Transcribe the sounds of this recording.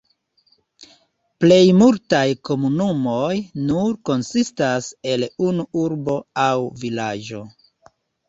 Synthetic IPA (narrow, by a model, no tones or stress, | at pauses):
ple̞jmultajko̞munumo̞jnuɾko̞nsistase̞lunuuɾbo̞awvilad͡ʒo̞